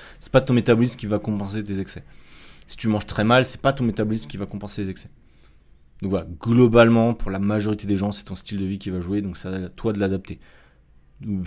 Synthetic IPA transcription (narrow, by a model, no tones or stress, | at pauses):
sɛ̥pat̪ɔ̃met̪abɔlismkʲivakɔ̃pɑ̃set̪̬ezɛksɛsi̥t̪ymɑ̃ʒt̪χɛmalsɛ̥pat̪ɔ̃met̪abɔlismkʲivakɔ̃pɑ̃selezɛksɛ̥ | d̪̥ɔ̃kvalaɡlɔbalmɑ̃puʁlamaʒɔʁit̪ed̪eʒɑ̃sɛ̥t̪ɔ̃st̪ild̪əvikʲivaʒued̪ɔ̃ksat̪wad̪əlad̪ap̚t̪e